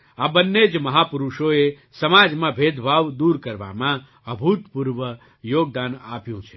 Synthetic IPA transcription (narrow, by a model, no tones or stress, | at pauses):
abənːed͡ʒməɦapʊɾuʃoe | səmad͡ʒmãbʱed̪ʱbʱaʋd̪uɾkəɾʋa̰mã | əbʱut̪puɾʋə | joːɡ̚d̪ana̰pjũt͡ʃʰe